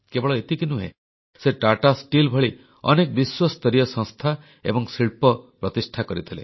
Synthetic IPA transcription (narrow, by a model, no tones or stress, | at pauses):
kebɔɭɔet̪ikinuɦḛ | seʈaʈasʈilbʱɔɭi | ɔ̰nekɔbiswast̪ɔɾijɔsɔ̃ŋst̪ʰa | ḛbɔŋsiɭpɔpɾɔt̪isʈʰakɔɾit̪ʰilḛ